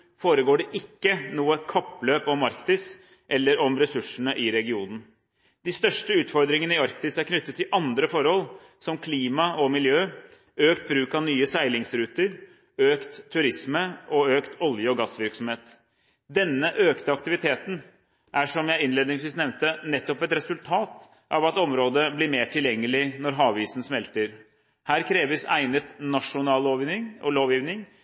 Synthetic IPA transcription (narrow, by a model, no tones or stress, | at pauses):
foːɾəɡoːɖɛʔɪkːənuːəkʰɑpːløːpɔmɑɾkt̪ɪs | ʔɛlːəɾɔmɾɛsʉʂəɳəʔɪɾɛɡɪuːnn̩ | d̪ɪst̪œʂʈəʉːt̪fɔɾd̪ɾɪŋənəɪɑɾkt̪ɪsæɾkʰnʏt̪ːət̪ːɪlʔɑnd̪ɾəfɔɾhɔlː | sɔmkʰliːmɑɔmɪljøː | øːkt̪̚bɾʉːkɑʋnyːəsæɪlɪŋsɾʉːt̪əɾ | øːkt̪ʰːʉɾɪsməʔɔøːkt̪ʰɔljəɔɡɑsʋɪɾksɔmheːt̪ | d̪ɛnːəʔøːkt̪əɑkt̪ɪʋɪt̪ʰeːt̪n̩ | ʔæʂɔmjæɪɪnleːd̪nɪŋsʋiːsnɛʋnt̪ənɛt̪ːɔpɛt̪ɾɛsʉlt̪ʰɑːt̪ | ʔɑʋɑt̪ɔmɾoːd̪əblɪɾmeːʈʰɪljɛŋːəlɪnɔɾɦɑːʋʋiːsn̩smɛlt̪əɾ | hæːɾkʰɾeːʋəsæ̰ɪnət̪nɑʂʊnɑːloːʋnɪŋɔloːʋjiːʋnɪŋ